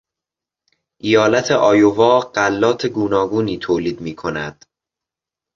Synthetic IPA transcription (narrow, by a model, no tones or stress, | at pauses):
ʔijɒːlæt̪ʰe̞ʔɒːjovɒːɢ̥ælːɒːt̪ʰeɡuːnɒːɡuːniːt̪ʰoːliːd̪miːkʰonæ̰d̪̥